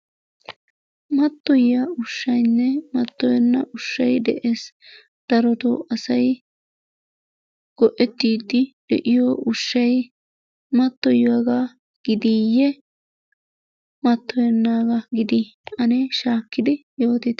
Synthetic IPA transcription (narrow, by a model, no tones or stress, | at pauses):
mɐt̪ːɔjaʊʃːɐjnːɛmɐt̪ːɔjɛnːɐ̰ʔʊʃːɐjd̪ɛ̰ʔeːs | d̪̥ɐɾɔt̪ʊ̰ɐsɐj | ɡ̥ɔʔɛt̪ːiːd̪ɪd̪ɛ̰ʔɪjɔːʔʊʃːɐj | mɐt̪ːɔjwaɡa | ɡ̥ɪd̪iːjːɛ | mɐt̪ːɔjɛnːaːɡɐɡɪd̪iɐnɛʃaːkːɪd̪ɪjo̞ːt̪ɪt̪ː